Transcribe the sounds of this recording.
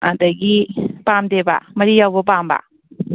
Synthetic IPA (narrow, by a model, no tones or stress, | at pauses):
adɐɡipamdeba̰mɐɾijawbɐp̬amba̰